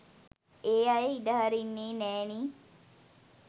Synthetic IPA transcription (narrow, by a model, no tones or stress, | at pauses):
eːajeiɖəɦaɾinːeːnɛːniː